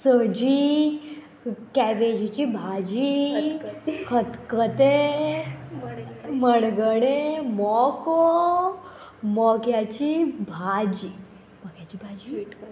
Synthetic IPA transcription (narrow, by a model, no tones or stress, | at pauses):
səd͡ʑi | kɛʋed͡ʑit͡ɕibʱad͡ʑi | kʰət̪kət̪e | məɽɡəɽ̃emɔko | mɔkjat͡ɕibʱad͡ʑi | mɔkjat͡ɕiːbʱad͡ʑi